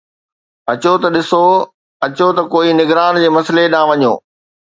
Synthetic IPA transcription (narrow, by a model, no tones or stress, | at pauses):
ɐt͡ɕot̪ɐɗɪso | ɐt͡ɕot̪ɐkoːinɪɡɾaːnd͡ʑeːmɐsleɗãːʋɐɲo̰ː